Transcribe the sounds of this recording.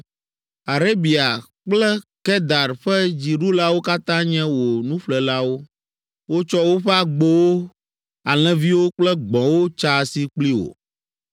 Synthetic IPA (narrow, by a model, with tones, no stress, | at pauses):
a˨ɾe˦bi˨a˨k͡plɛ˦kɛ˦d̪a˨ɾɸɛ˦d͡ʑi˨ɖu˦la˦wo˦ka˦t̪ã˦ɲɛ̃˦wo˨nũ˦ɸlɛ˨la˦wo˦ | wo˦t͡ʃɔ˦wo˦ɸɛ˦a˨ɡ͡bo˦wo˦ | a˨l̃ɛ̃˦vi˦wo˦k͡plɛ˦ɡ͡bɔ̃˨wo˦t͡ʃa˦˨si˦k͡pli˦wo̰˨